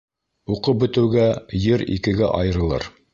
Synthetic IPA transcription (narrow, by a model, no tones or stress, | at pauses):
uqɤbɵ̆t̪ɘ̆wɡæjɘɾḭkɘ̆ɡæʔɑjɤ̆ɾɤ̆lˠɤ̰ɾ